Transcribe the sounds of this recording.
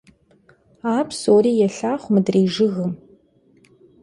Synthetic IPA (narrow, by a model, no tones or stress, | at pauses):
aːpʰsoːriːjɛɬaːχʷmɨdriːʒɨɣɨm